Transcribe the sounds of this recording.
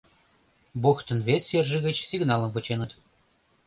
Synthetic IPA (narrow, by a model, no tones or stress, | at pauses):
boxt̪ə̆nvʲesʲːerʒə̆ɣə̆t͡ɕsʲiɡnɑlˠə̆mpə̆t͡ɕenə̆t̪